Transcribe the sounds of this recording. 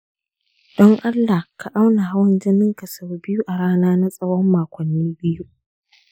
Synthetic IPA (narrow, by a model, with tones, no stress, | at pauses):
d̥ɔ˦ŋʔa˦lːa˨ka˨ʔa˦wna˨ɦa˦wɐ˦nd͡ʒɪ˦nɪ˦ŋka˨sɐ˨wbɪ˦ju˦ʔa˨ɽaː˦naː˦na˦sʼɐ˦wɔ˦mːaː˨kʷɔ˨nːiː˦bɪ˦ju˦ʔ